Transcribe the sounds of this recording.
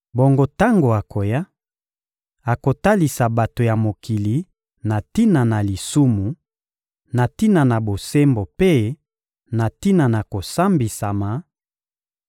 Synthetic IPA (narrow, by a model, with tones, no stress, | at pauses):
bo˨ŋɡo˦ta˦ŋɡo˨a˨kʰo˨ja˦ | a˨ko˨ta˦li˨sa˨ba˨to˨ja˨mo˨ki˨li˨ | na˨ti˦na˨na˨li˨su˦mu˨ | na˨ti˦na˨na˨bo˨se˦mbo˨pe˦ | na˨ti˦na˨na˨ko˨sa˦mbi˨sa˨ma˨